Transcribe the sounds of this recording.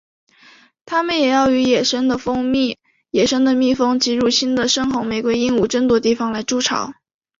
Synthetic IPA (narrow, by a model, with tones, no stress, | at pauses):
t̪ʰa˥mə˨njɛ˨˩jɑ˥˩ʊy˧˥jɛ˨˩ʂə˥ŋd̪ə˨fɤ˥ŋm˥˩ | jɛ˨˩ʂə˥ŋd̪ə˨mi˥˩fɤ˥ŋt͡ɕi˧˥ɻu˥˩ɕʰi˥nd̪ə˨ʂə˥nxʊ˧˥ŋme˨˩ɪkwe˥ɪi˥nu˥˩ʈ͡ʂə˥˧nt̪wɔ˥t̪i˥˩fɑ˨˩ŋla˧˥ɪʈ͡ʂu˥˩ʈ͡ʂʰɑ̰˨˩˦ʊ